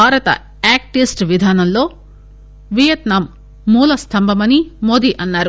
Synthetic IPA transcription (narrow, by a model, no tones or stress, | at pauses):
aːɾɐt̪ɐ̰ | aːk̚ʈisʈʋid̪ʱaːnɐmlo̞ː | ʋijɐt̪naːmː | uːlɐst̪ʰɐmbʱɐmɐnimo̞ːd̪iʔɐnːaːɾu